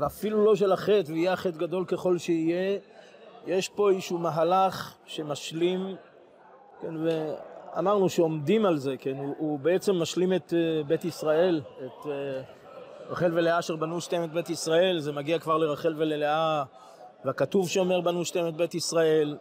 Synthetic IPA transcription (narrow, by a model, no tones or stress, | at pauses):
veafilulo̞ʃ̬elaχe̞t̪veijeaχe̞t̪ɡad̪o̞lke̞χo̞lʃeije̞ | jeʃpo̞izʃumaɦalaχ | ʃe̞maʃlim | kenvea̰maʁnuʃeo̞md̪imalze̞kenuubeet͡se̞mːaʃlimet̪bet̪isʁae̞let̪ | ʁaχe̞lveleaʃeʁbanuʃtaemet̪̚bet̪isʁae̞lzemaɡiakvaʁleʁaχe̞lvelelea | veakat̪uvʃeo̞me̞ʁbanuʃtaemet̪̚bet̪isʁae̞l